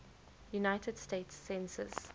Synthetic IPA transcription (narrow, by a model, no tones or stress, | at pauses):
junaɪtʰəd̥steːtsːɛ̃nsə̰s